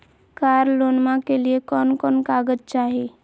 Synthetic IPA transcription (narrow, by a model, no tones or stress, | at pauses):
kaːɾloːnmãkeliekɔːnkɔːnkaːɡəd͡ʒt͡ʃaːɦe